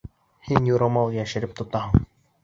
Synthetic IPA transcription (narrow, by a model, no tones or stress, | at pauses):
hinjuɾɑmɑlˠjæʃɘ̆ɾɘp̚t̪ŏt̪ɑɦɤɴ